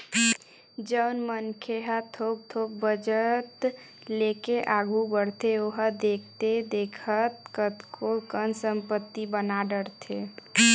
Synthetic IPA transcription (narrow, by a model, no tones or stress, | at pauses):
d͡ʒəʊnmənkʰeɦət̪ʰob̚t̪ʰoːb̚bəd͡ʒət̪ | lekeʔaːɡʱubəɽt̪eoɦəd̪ek̚ʰt̪ed̪eːkʰət̪kət̪kʰokənsəmpət̪ːibənaɖəɽt̪ʰe